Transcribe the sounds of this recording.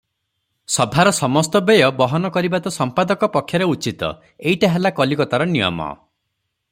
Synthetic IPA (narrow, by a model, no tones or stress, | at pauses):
sɔbʱaɾɔsɔmɔst̪ɔbejɔbɔɦɔnɔkɔɾibat̪ɔsɔmpad̪ɔkɔpɔkʰːjɔɾeut͡ʃit̪ɔ̰ | eiʈaɦelakɔlikɔt̪aɾɔnijɔ̰mɔ̰